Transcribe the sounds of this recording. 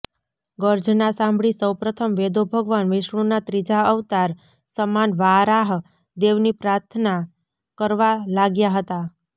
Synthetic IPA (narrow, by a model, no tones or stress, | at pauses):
ɡəɾd͡ʒʱnasãmbʱɭisəwpɾət̪ʰəmʋed̪obʱəɡʋanʋɪʃɳ̃ũnat̪ɾid͡ʒaəʋt̪aɾ | səmanʋaɾaɦ | d̪eʋnipɾaɾt̪ʰəna | kəɾʋalaɡjaɦət̪a